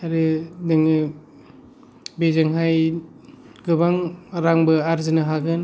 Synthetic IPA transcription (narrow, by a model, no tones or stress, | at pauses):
aɾɯdɯŋɯ | bezɯŋɦaj | ɡɯbaŋɾaŋbɯaɾzɯnɯɦaɡɯn